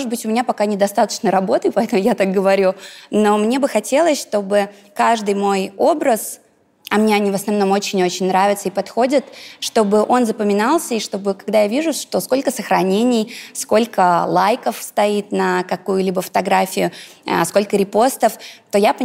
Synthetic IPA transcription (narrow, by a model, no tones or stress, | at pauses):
moʐɨt̪̚bɨtʲʊmʲɪnʲapɐkanʲɪd̪ɐst̪at̪ə̥t͡ɕnəɾɐbo̞t̪ɨpɐɛt̪əmʊjat̪ak̚ɡəvɐɾʲuno̞mnʲe̞bɨxɐtʲe̞lˠəsʲʂt̪o̞bɨ | kaʐd̪ɨjmo̞jo̞bɾəs | ɐmnʲeɐnʲivəsnɐvno̞mot͡ɕɪnʲo̞t͡ɕɪnʲnɾavʲɪt̪səipɐt̪xo̞dʲɪt̪ʂt̪o̞bɨʔo̞nzəpəmʲɪnalˠsʲəiʂt̪o̞bɨkɐɡd̪ajavʲiʐʊʂt̪o̞sko̞lʲkəsəxɾɐnʲenʲɪjsko̞lʲkəlˠajkəfst̪ɐit̪nəkɐkujʊlʲibəfə̥t̪ɐɡɾafʲɪjʊə̰sko̞lʲkəɾʲɪpo̞st̪əft̪o̞jap